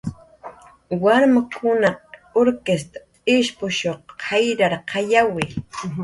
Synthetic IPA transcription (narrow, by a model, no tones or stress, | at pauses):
waɾmakʰʊnaoɾkest̪ḁ | ɪʃpʊʃoχɑjɾaɾqʰɑjawɪ